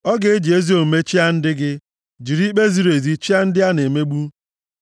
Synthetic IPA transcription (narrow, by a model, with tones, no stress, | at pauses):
ɔ˦ɡe˦e˦d͡ʒi˨e˦zi˦o˨m̩˨me˦t͡ʃi˦a˦n̩˦dɪ˦ɡɪ˦ | d͡ʒi˨ɾi˦k͡pe˦zi˨˦ɾe˨zi˦t͡ʃi˦a˦n̩˦dɪ˦a˦ne˨me˦ɡ͡bu˦